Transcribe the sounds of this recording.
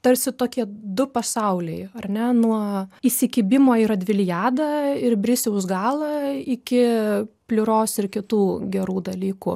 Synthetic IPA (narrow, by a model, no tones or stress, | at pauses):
t̪ɐɾʲsʲɪt̪oːkʲiɛd̪ʊpɐsɐʊlʲɛɪɐrnʲɛnuɔiːsʲɪkʲiːbʲɪmoːiɾɐd̪ʲʋʲɪlʲjæːd̪ɐɪrbʲɾʲɪsʲɛʊsɡɑːlˠɐɪkʲɪpʲlʲʊɾoːsɪrkʲɪt̪uːɡʲɛɾuːd̪ɐlʲiːkʊ